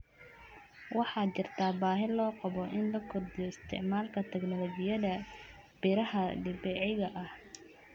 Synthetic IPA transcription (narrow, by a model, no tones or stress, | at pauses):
wɑħɑːt͡ʃɪrt̪ʰaːbaːɦɪlɔːqɑβɔʔɪnlɐkʰɔrd̪ɪjɔɪst̪ʰɪ̰ʕmaːlkʰɐt̪ʰɛɡnɔlɔt͡ʃɪjɐðɐ | b̥ɪɾɐhɐɖɪbɛʕɣɐʔɐh